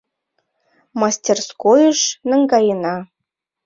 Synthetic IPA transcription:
mɑsʲtʲerskojɤ̆ʃnɤ̆ŋɡɑjɤ̆nɑ

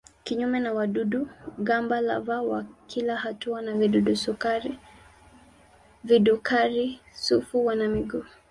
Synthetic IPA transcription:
kiɲumɛnawaɗuduɡambala̰vawakʰilahatuanaviduɗusukaɾi | vidukʰaɾisufuwanamiɡu

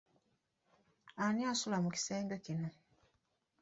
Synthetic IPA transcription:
anjasulamuci̥seːŋɡecino

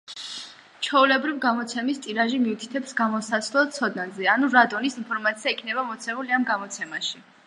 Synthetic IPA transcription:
t͡ʃʰɔulɛbɾivɡamɔt̪sʰɛmist̪ʼiɾaʒimiut̪ʰi̥t̪ʰɛpsɡamɔsatslˠɛsʰɔd̪nazɛanuɾad̪ɔnisinpʰɔɾmat̪sʰiaikʰnɛβamɔt̪sʰɛmuliamɡamɔt̪sʰɛmaʃi

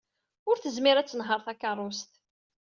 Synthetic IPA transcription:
ʊɾθəzmɪɾæt͡sːənɦəɾˤθækːərˤʊst̪

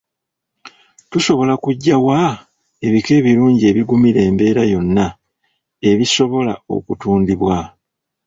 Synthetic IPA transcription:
tuso̞βo̞lakuɟːawa | e̞βike̞ːβiɾuːɲɟie̞ːβiɡumiɾe̞ːmbe̞ːɾajo̞nːa | e̞βiso̞βo̞la̰o̞̰kutuːndiβwa

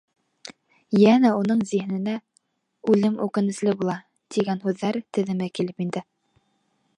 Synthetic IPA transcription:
jænæunɤɴzih̆nɘ̆næ | ʉlɘmʉkɘ̆nɘ̆slɘbulˠɑ | t̪iɡænɦʉðːæɾt̪ɘ̆ðɘ̆mɘkilɘpind̪ɘ

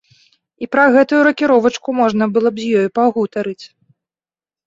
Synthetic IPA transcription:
ipɾɐɣɛt̪ujuɾɐkʲiɾɔvɐt͡ʂkumɔʐnɐbɨlˠɔbzʲjɔjupaɣut̪ɐɾɨt͡sʲ

